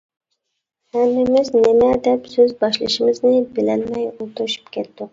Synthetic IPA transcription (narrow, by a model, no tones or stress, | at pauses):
hæmːɪmɪznɪmæd̪ɛpsøzbɑʃlˠɨʃɪmɪznɪbɪlænmɛjot̪ʰʊɾʃy̥pkʲʰet̪ːɪ